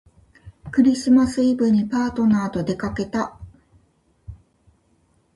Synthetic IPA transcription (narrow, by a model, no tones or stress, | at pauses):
kɯ̟ɾʲisɨmasɨibɯ̟ɲ̟ːipaːt̪o̞naːt̪o̞d̪e̞kake̞t̪a